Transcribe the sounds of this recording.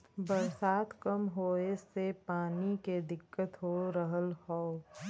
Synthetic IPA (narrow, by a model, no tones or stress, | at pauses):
bəɾsaːt̪ʰkəmɦoːesepaːniked̪ɪkːət̪ɦoːɾəɦəlhɔː